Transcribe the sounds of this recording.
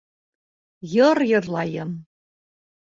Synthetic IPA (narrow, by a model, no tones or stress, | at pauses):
jɤrjɤ̆rlɑjəm